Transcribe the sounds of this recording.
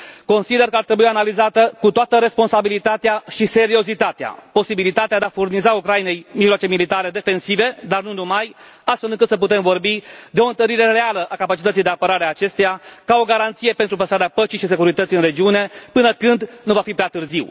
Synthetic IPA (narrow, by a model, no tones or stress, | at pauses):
ko̞nsid̪e̞rkəart̪ɾe̞bujianalizat̪əkut̪oat̪əɾe̞spo̞nsabilit̪at̪eaʃise̞ɾio̞zit̪at̪ea̰po̞sibilit̪at̪ead̪eafurnizaukɾajine̞jmiʒloat͡ʃe̞milit̪aɾe̞d̪e̞fe̞nsive̞d̪arnunumajast̪felɨŋkɨt̪səp̬ut̪e̞mvo̞rbid̪eo̞ɨnt̪əɾiɾe̞re̞aləʔakapat͡ʃit̪ət̪sijd̪e̞apəɾaɾeaːt͡ʃe̞st̪ejakao̞ɡaɾant̪sije̞pent̪ɾupəst̪aɾeapət͡ʃijʃis̬e̞kuɾit̪ət̪siɨnre̞d͡ʒiune̞pɨnəkɨnd̪nuvafipɾeat̪ɨrziw